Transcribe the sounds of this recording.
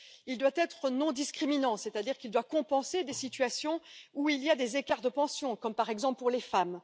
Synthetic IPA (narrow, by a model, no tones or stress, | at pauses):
ild̪wat̪ɛt̪χənɔ̃d̪iskχiminɑ̃sɛt̪ad̪iʁkʲild̪wakɔ̃pɑ̃sed̪esit̪ɥasjɔ̃uiliad̪ezekaʁd̪əpɑ̃sjɔ̃kɔmpaʁɛɡzɑ̃ppuʁlefam